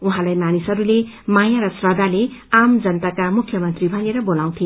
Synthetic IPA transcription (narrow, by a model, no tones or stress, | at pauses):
uɦãlajmanisʌɾule | majaɾʌsrʌd̪ʱaleamd͡zʌnt̪akamukʰjʌmʌnt̪ribʱaneɾʌbolaw̃t̪ʰi